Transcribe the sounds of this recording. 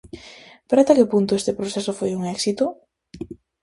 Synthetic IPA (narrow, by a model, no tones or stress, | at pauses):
peɾast̪akepunt̪ʊest̪epɾoθɛsofojuŋɛksit̪ʊ